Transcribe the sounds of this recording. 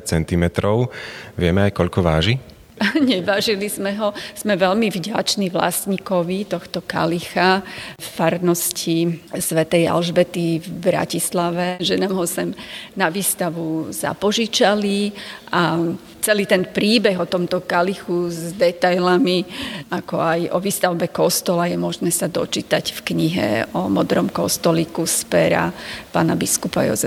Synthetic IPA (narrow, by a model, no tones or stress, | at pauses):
t͡sɛnt̪imɛt̪ɾɔʊʋɪɛmɛajkɔʎkɔʋaːʒi | ɲɛʋaːʒilizmɛɦɔz̥mɛʋɛʎmivɟa̰t͡ʃniʋla̰sɲikɔʋit̪ɔxt̪ɔka̰lixaffaɾnɔscisʋɛt̪ɛja̰lʒbɛt̪ivbɾa̰cislaʋɛʒɛnaːmɦɔsɛmnaʋiːst̪aʋuza̰pɔʒit͡ʃaliʔa | t͡sɛliːt̪ɛnpɾiːbɛɣɔt̪ɔmt̪ɔkalixuzd̪ɛt̪ajlamiakɔajʔɔʋiːst̪aʊbɛkɔst̪ɔlajɛmʊɔʒnɛsad̪ɔ̰t͡ʃiːt̪acfkɲiɦɛ̰ɔ̰mɔd̪ɾɔmkɔ̰st̪ɔliːkuspɛɾa̰pa̰ːnabiskupa̰jɔ̰zɛ